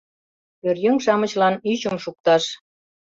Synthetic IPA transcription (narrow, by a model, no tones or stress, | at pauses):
ørjɘŋʃɑmə̆t͡ɕlɑnyt͡ɕəmʃuk̚t̪ɑʃ